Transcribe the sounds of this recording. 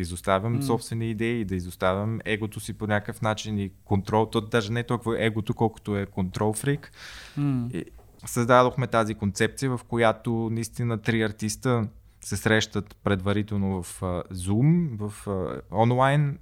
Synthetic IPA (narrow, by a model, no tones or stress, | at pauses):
izost̪avʲəmsɔpst̪vɛniid̪ɛiːd̪ɐizost̪avʲəmɛɡot̪osiponʲakəfnat͡ʃinikont̪ɾɔlˠt̪ɔd̪aʒɛnɛt̪ɔlˠkʊvəʔɛɡot̪okɔlˠko̥t̪oɛkont̪ɾɔlˠfɾik | ḭ | səzd̪ad̪oxmɛt̪azikont̪sɛp̚t̪sijəvɐfkojat̪onɐist̪inət̪ɾiɐɾt̪ist̪ə | sɛsɾɛʃt̪ət̪pɾɛd̪vɐɾit̪ɛlˠnovɐfəzumvəfɔnlˠajn